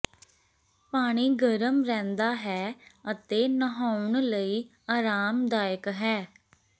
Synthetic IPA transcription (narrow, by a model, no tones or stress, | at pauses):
paːɽ̃iːɡəɾəmɾɛ̃ːnd̪aːɦɛːət̪eːnəɦaːʊɳ̃ləiː | aːɾaːmd̪aːjəkɦɛː